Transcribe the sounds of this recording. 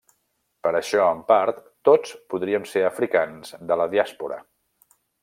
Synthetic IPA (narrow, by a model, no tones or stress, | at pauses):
pəɾəʃɔəmpaɾt̪ːot͡spuðɾiəmseəfɾikanz̥d̪ələðiaspuɾə̰